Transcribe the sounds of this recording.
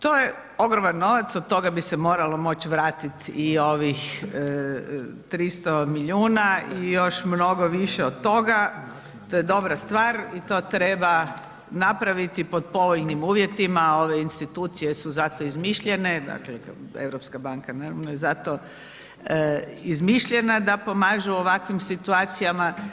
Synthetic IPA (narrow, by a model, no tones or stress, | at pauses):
t̪oje | o̞ɡɾomanːo̞ʋat̪sod̪̚t̪o̞ɡabisemo̞ːɾalo̞mo̞t͡ɕʋɾaːt̪it̪io̞ʋix | t̪ɾist̪omiʎuːnaijo̞ʃmno̞ɡo̞ʋiʃeod̪̚t̪o̞ɡa | t̪ojed̪o̞bɾast̪ʋaːɾit̪o̞ːt̪ɾeba | napɾaʋit̪ipo̞d̪̚po̞ʋoʎnimuːʋje̞t̪imao̞ʋe̞inst̪it̪uːt̪sije̞suzat̪oizmiʃʎe̞ne̞d̪a̰kleḛʋɾopskabaŋkanaɾamnojezat̪o | izmiʃʎe̞nad̪apo̞maːʒuoʋakʋimsit̪uaːt̪sijama